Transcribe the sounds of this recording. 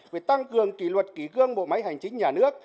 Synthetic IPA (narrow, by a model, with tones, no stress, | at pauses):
ve˨˩t̪a˧ŋkɨ˨˩əŋkḭ˧˩lwə˨˩t̚ki˧˩ɣɨ˧əŋɓo̰˧˨ma˨˦jɦa˨˩jŋ̟t͡ɕï˨˦ŋ̟ɲaː˨˩nɨ˦˥ək̚